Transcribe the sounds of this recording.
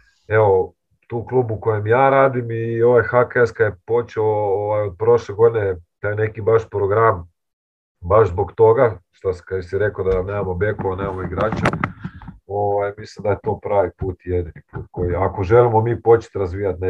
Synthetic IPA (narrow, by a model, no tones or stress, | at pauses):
e̞ʋo̞ | t̪uːklˠuːbukojemjaːɾaːd̪imio̞ʋajxakaeskajepo̞t͡ʃeooʋajod̪̚pɾo̞ʃleɡo̞d̪inet̪ajne̞kibaʃpɾo̞ɡɾam | baʒzboɡt̪o̞ɡaʃt̪asi̥kad̪josiɾe̞kod̪aneːmamobje̞koʋane̞ːmamoiɡɾaːt͡ɕa | o̞ʋajmislimd̪aje̞t̪o̞ːpɾaːʋipuːt̪jed̪inipuːt̪̚kojiako̞ʒe̞limo̞miːpo̞t͡ʃe̥t̪ɾazʋiːjat̪ne